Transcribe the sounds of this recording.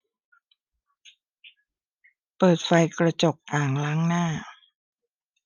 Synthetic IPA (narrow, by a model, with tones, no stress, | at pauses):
pɤː˨˩t̪̚fa˧jkɾa˧t͡ɕo˨˩k̚ʔaː˨˩ŋlaː˦˥ŋnaː˥˩